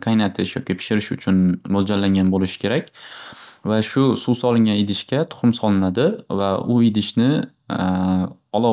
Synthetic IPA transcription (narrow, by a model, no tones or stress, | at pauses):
qʰɑjnat̪ʰɪʃjɒ̰kʲipʰɪ̥ʃɪɾɪʃʊt͡ʃʰʊnmold͡ʒaɾlaŋɡʲanbolɪʃɪ̥kʲʰe̞ɾakʲ | vaʃʊsusɒlˠɪŋɡʲanɪd̪ɪʃkʲat̪ʰʊ̥χɨmsɒlˠɪnad̪ɪvaʊɪd̪ɪʃnɪ | ɒlˠɒ